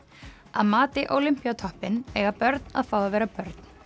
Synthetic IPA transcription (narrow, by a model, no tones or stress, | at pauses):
aðmaːt̪ɪʔowlim̥pjat̪ʰɔhpɪnɛɣapœɾt̪na̰ðfaːwðavɛːɾapœɾt̪n̥